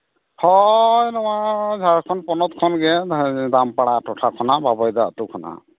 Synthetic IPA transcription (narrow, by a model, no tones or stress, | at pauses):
hɔnɔwazʱaɹkʰɔnpɔnɔt̪̚kʰɔnɡɛdampaɽatɔtʰakʰɔnababɔjd̪aa̰t̪ʊkʰɔna̰